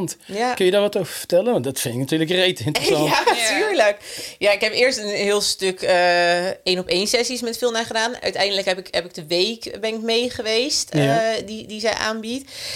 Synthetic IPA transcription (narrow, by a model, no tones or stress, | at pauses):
ntjakɵnjədaːɹʋɑtowvəfə̥tɛlənʋɑndɔtfɪnɪknatyːɹləkrejtɪntsɑatyːɹləkjaɪkɦɛpɪəɹstənɦɪːlˠstøkəejnɔpejnsɛsismɛtfɪlˠnaːχədaːnœ̰ɥtɛjndələkɦɛpɪkɦɛpɪɡ̚dəʋejkbɛnɪk̚mejχəʋejstdidizɛjʔa̰ːnbit